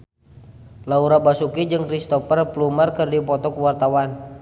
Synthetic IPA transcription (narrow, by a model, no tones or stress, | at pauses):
lauɾabasukid͡ʒɨŋkɾist̪ɔfɛrplumarkərdipɔt̪ɔkuwart̪awan